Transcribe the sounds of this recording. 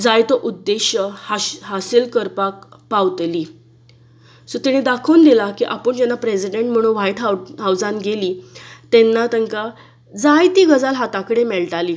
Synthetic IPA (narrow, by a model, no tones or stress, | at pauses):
d͡zajt̪oʔud̪ːeɕəhaɦasilkəɾpakpawt̪liː | sot̪iɽ̃ed̪akʰəund̪ilakiʔapəɳd͡ʑɛnːapɾesiɖeɳʈm̤əɽ̃ũnʋajʈɦaɦawd͡zãnɡeliːt̪enːat̪əŋka | d͡zajt̪iːɡəd͡zalɦat̪akəɽemɛɭʈaliː